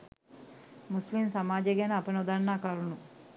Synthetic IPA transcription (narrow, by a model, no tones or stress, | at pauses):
muslimsɐmaːd͡ʒeɡenɐɐpɐnod̪ɐnːaːkalunu